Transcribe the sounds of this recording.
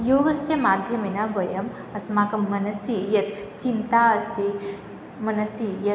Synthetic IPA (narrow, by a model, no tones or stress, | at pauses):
joːɡɐst̪jɐmaːd̪ʱjɐminabɐjɐm | ɐsmaːkɐmːɐnɐsijɐt̪̚t͡ʃint̪aːɐst̪i | mɐnɐsijɐ